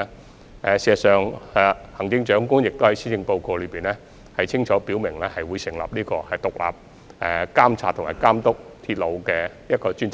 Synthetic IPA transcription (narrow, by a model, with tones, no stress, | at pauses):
ɛ˨˧si˧˨sœː˨ŋɛ˧hɐ˨˩ŋt͡sɪ˧ŋt͡ʃœː˨˥ŋkʊ˥ŋjɪ˨k̚t̪o˥whɐ˨˥jsiː˥jɪ˧ŋpo˧wkoː˧lɵ˨˧jpiː˨nɛː˥ | hɐ˨jt͡sʰɪ˥ŋt͡ʃʰɔː˨˥piː˨˥wmɪ˨˩ŋlɛː˥hɐ˨jwuː˨˧jsɪ˨˩ŋlɐ̰˨p̚niː˥kɔː˧hɐ˨jt̪ʊ˨k̚la̰ː˨p̚ | ɛ˨˧kaː˥mt͡sʰaː˧t̪ʰʊ˨˩ŋma̰ː˨˩kaː˥mt̪ʊ˥k̚t̪ʰiː˧t̚lo˨˧wkɛː˧ | jɐ˥t̚kɔː˧t͡ʃyː˥nt͡s